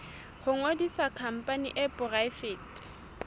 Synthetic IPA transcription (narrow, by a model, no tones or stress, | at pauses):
hʊŋodisakʰam̩pʼanḭʔɛpʼʊraɪfeːtʼ